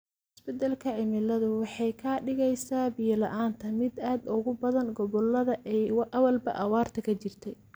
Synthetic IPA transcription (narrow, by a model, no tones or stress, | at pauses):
ɪsbɐd̪ɐlkʰɐʕɪmɪlɐðʊwɑħɑjkʰɐɖɪɣɛjsaːbijɐlɐʔaːnt̪ʰɐmɪd̪aːd̪ʊɣʊbɐðɐŋɡɔβɔlɐðɐʔɛʔɐwɐlbɐ̰ʔɐwaːrt̪ʰɐkʰɐt͡ʃɪrt̪ʰɛj